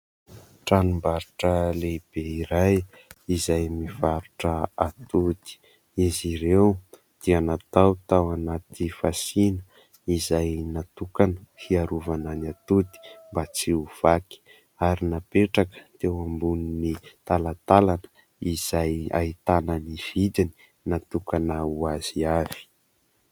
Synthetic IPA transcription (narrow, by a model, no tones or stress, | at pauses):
ʈ͡ʂanumbaɾuʈ͡ʂəleb̥eiɾaj | izajmivaɾuʈ͡ʂəat̪ud̪i̥ | iziɾew | d̪̥ianat̪awt̪awanat̪ifasinə | izajnat̪ukanəfiaɾuvananat̪ut̪i̥mbat͡siuv̥aki̥ | aɾinapeʈ͡ʂakə̥t̪ewambuninit̪alat̪alanə̥ | iz̥aja̰it̪anəniv̥id̪ini̥ | nat̪ukanəuaz̥iav̥i̥